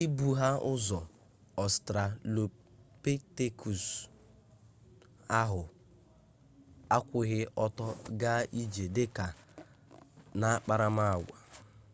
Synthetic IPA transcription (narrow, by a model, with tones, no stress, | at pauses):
i˦bu˨ɦa˦ʊ˦zɔ˨ | ɔ˨stɾa˨lo˨ | pe˦te˦kʰu˨s | a˦ɦʊ˨ | a˦kʷʊ˨ɣɪ˦ʔɔ˦tɔ˦ɡa˦i˦d͡ʒe˨dɪ˦ka˨ | na˦a˦k͡pa˦ɾa˦ma˦a˨ɡʷa˨